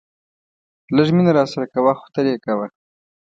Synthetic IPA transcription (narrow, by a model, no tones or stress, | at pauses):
ləʒminaɾɑsaɾakawaxʊ̥t̪əɾjekawa